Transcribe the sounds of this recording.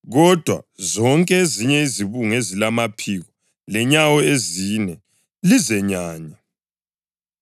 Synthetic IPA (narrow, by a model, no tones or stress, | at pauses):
ɣɔd̥ʱwa̰zɔŋkʼɛeziɲɛiziβuŋezilamapʰiɣɔ | lɛɲawɔezinɛ | lizɛɲaːɲa